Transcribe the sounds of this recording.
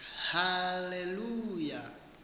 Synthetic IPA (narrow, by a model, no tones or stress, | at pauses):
haleluja